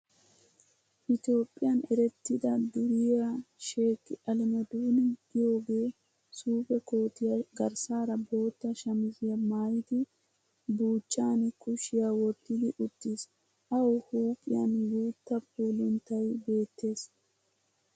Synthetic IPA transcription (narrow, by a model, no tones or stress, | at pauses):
ʔɪt̪jo̞ːpʼːɪjɐnɛɾɛt̪ːɪd̪ɐd̪ʊɾɪjaʃe̞ːkːɪʔɐlɪmɔd̪uːnɪɡɪjo̞ːɡe̞ː | suːpɛko̞ːt̪ɪjɐɡɐɾsaːɾɐbo̞ːt̪ːɐʃɐmɪzɪjɐmaːjɪd̪ɪ | buːt͡ʃʼːaːnkʊʃɪjawɔt̪ːɪd̪ɪʔʊt̪ːɪs | ʔɐwhuːpʼːɪjɐnjuːt̪ːɐp̚uːlɪnt̪ːɐjbe̞ːt̪ːe̞ːs